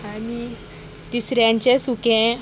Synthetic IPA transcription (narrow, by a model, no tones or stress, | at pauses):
ani | t̪isɾjãɲt͡ɕẽsukɛ̃